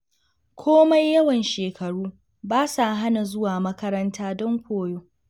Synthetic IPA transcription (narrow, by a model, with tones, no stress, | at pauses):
kʷʰoː˦ma˦jːɐ˦wɐ˨nʃeː˨kʰɐ˨ɽuː˦ | baː˦sa˨ʔɦa˦na˨zʊ˦waː˨mɐ˦kɐ˦ɾɐ˦ntʰaː˦dɔ˦ŋkʷoː˦˨joː˦